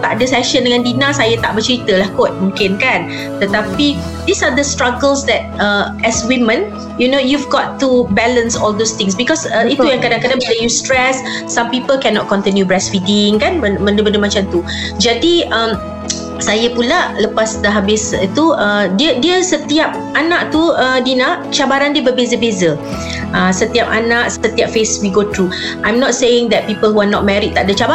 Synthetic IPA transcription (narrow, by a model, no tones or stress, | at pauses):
t̪aʔdəsɛʃə̃ndəŋãndinãsajət̪aʔbət͡ʃɾit̪əlahkot̪̚mũŋkɪnkan | t̪ət̪api | disad̪əstɹaɡəlsdɛt̚əʔɛswimə̃n | junojuvɡɔtːubɛlə̃nsɔld̪ost̪ɪ̃ŋs̬bikɔsəiujãŋkədãŋkədãŋplejustɹɛsː | ãmpipəlkɛnɔt̚kɔ̃nt̪injubɹɛswidiŋkanməmə̃ndəbəndəmat͡ʃamt̪u | d͡ʒadiəm | sajəpulaʔləpasdəɦabɪsit̪uədiədiəsət̪iap̚ | anaʔt̪uədinaʔt͡ʃabaɾandiəbəbezəbezə | ʔəsət̪iap̚a̰naʔsət̪iap̚feswiɡot̪ɾu | ʔãjmnɔt̚sejɪ̃ŋd̪ɛt̚pipəlhɦuanɔt̚mɛɾit̚t̪ːaʔ̚dət͡ʃaba